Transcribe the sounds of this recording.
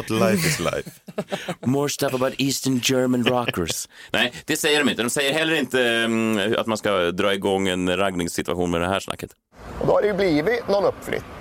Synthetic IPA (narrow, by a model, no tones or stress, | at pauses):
t̪laɪfɪsla̰ɪf | mɔːɹst̪ɛfəbaʊt̪iːst̪ənd͡ʒɜɹmə̃nɹɑkə˞snʔɛɪd̪̥ɛsɛjːəɾɔmɪnt̪əd̪ɔmsɛjːəɾɦɛlːəɾɪnt̪ə | a̰t̪manskad̪ɾɑːɪɡɔŋːɛnɾaɡnɪŋsːɪt̪ʉa̰ɧuːnmɛd̪ɛhæːʂna̰kːət̪ | ɔd̪ohæɾɛjʊbliːʋɪnɔnɔpːflʏ̰t̪